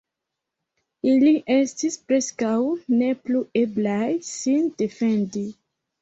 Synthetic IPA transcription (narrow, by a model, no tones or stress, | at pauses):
iliʔe̞stispɾe̞skawne̞plue̞blajsind̥e̞fe̞ndi